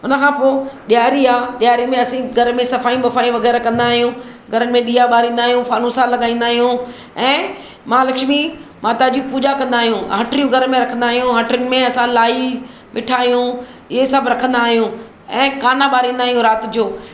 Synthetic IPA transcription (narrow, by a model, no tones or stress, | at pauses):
ʊnəkʰãːpoːɗjaːɾiaːɗɪjaːɾimẽɐsĩɡʱɐɾmẽsɐfaːijũɓɐfaːijũʋɐɣɛːɾakɐ̃nd̪aːɦijũ | ɡʱɐɾənɪ̆mẽɗiːaɓaːɾĩːnd̪aːɦijũfaːnũsalɐɠaːĩːnd̪aːɦijũ | ɛ̃ː | mãːlɐkʃmimaːt̪ad͡ʑiːpuːd͡ʑakɐ̃nd̪aːɦijũɦəʈɾijũɡʱɐɾmẽɾɐkʰə̃nd̪aːɦijũɦɐʈənɪ̆mẽɐsãlaːi | ʋɪʈʰaːɦijũ | ɪesəbɾɐkʰə̃nd̪aːɦijũ | ɛ̃ːkaːnaɓaːɾĩːnd̪aːɦijũɾaːt̪ɪd͡ʑoː